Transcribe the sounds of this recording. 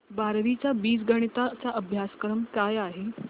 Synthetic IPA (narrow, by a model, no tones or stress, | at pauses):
baɾʋit͡ɕjabiːs̬ɡəɽ̃it̪at͡saʔəbʱjaskɾəmkajaɦe